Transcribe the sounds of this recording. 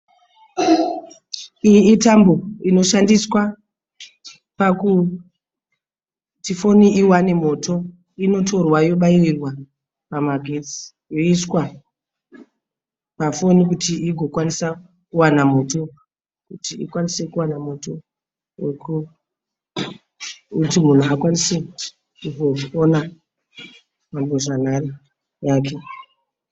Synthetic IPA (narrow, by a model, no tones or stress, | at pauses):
ijiːtambo̞ino̞ʃandiswa | paku | tifo̞niiwane̞mo̞ːtʰo̞ | ino̞tʰo̞rwajo̞ɓairirwa | pamaɡʱed͡zi̥ | jo̞iswa | pafo̞nikutiiɡʱo̞kwanisa | kuwanamo̞to̞ | kutiḭkwanise̞kuwanamo̞to̞ | weku | utimun̤uakwanise̞ | kuvo̞ona | mamboʐanare | jaːk̬e̞